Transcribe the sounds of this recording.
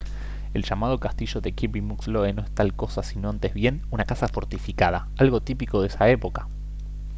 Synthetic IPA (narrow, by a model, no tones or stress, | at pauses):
elʒamað̞o̞kast̪iʒo̞ðekipimuksloeno̞est̪alko̞sasino̞ant̪ezβje̞nunakasafo̞ɾt̪ifikað̞a | alɣo̞t̪ipiko̞ðesae̞po̞ka